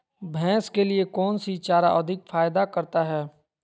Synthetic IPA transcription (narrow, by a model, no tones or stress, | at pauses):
bʱɛ̃ːskeliekɔːnsit͡ʃaːɾa̰ʔɐd̪ʱɪkfaːjd̪akɐɾt̪aɦɛː